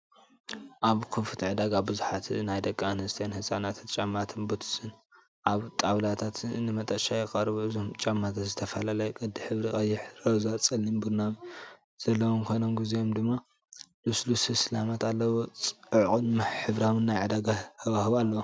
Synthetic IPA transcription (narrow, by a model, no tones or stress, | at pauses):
ʔaβkʰufɨt̪ʰiʕɨd̪aɡabɨzuħat̪najd̪ɐkʼːaanhɨst̪ʰɐjanhɨsʼanat̪ʰt̪t͡ʃʼamːat̪ʰɨnbot̪ʰɨ̥sɨn | ʔaβt̪ʼaβlat̪ʰat̪nɨmɐt̪ʼɐʃajɪkʼɐɾɨβuɨzomt͡ʃʼamːat̪ʰat̪zɨt̪ʰɐfɐlalɐjkʼɐd̪ːiħɨβɾikʼɐjːɪħɾɐzɐt͡sʼɐlːɨnbɨɾnam | z̥ɐlːɐwomkʰonomɡizijomd̪ɨmːa | luslushɨslamat̪alːɐwot͡sʼɨʕqʼunmɨħɨβɾawɨnːajʕɨd̪aɡahʰɐβahɨβalːɐwo